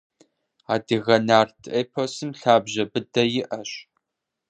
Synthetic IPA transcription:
aːdɨɣɐnaːrtʰʔeːpʰosɨmɬaːbʑɐbɨdɐjɪʔɐɕ

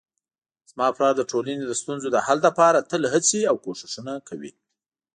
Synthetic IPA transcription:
z̥mɑplɑɾd̪əʈolaned̪əst̪unzod̪əhald̪apɑɾat̪əlɦət͡siawkoʃɪ̥ʃunakʰawḭ

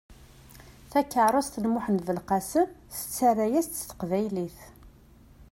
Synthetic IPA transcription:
θækːəʕɾˤɑst̪ənmʊħənvəlqæsəmθə̥t͡sːærːæjæst̪ːθə̥qvæjliθ

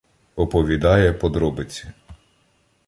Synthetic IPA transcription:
ɔpɔʋʲid̪ɑjɛpɔd̪ɾɔbɪt͡sʲi

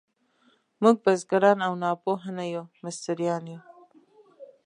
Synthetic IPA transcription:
muɡ̚bazɡaɾɑnawnɑpoɦanajumɪst̪ɪɾijɑːnju

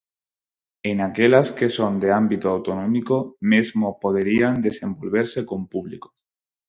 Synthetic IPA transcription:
enakelaske̞so̞nd̪eambit̪oawt̪onõmikomezmopo̞ð̞eɾiand̪e̞sẽ̞mbo̞lβ̞e̞ɾse̞ko̞mpuβlḭko̥

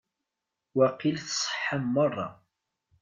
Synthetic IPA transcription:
wæqilθsˤə̥ħːamːɑrˤːɑ̰

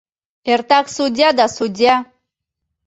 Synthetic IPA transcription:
ert̪aksudʲijad̪asudʲija

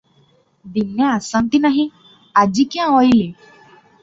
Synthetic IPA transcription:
d̪injəasãnt̪inaɦĩ | ad͡ʑikjãɦoili

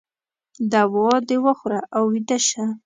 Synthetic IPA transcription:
d̪awɔd̪ewəxɾaʔawːid̪aʃa

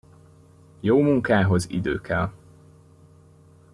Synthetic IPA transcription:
joːmuŋkaːɦo̞zḭd̪ø̰ːkɛl

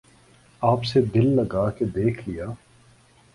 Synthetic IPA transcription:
aːpsed̪ɪlːɐɡaːked̪eːkʰlijaː

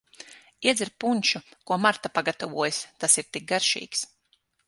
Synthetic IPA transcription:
iɛd̪zʲiɾpunʲʃukuɔmaɾt̪apaɡat̪avuɔjst̪asiɾt̪ik̚ɡaɾʃḭːks

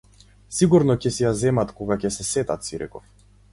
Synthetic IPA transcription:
siɡuɾnɔcɛsɛjazɛmat̪kɔɡacɛsɛsɛt̪at̪siɾɛ̰kɔf

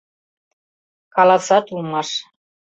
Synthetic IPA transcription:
kɑlɑsɑt̪ulmɑʃ

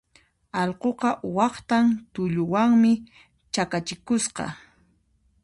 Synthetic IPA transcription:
ɑlqoqɑwɑχt̪ant̪ʊʎʊwaŋmɪ | t͡ʃakat͡ʃɪkʊsqɑ̰

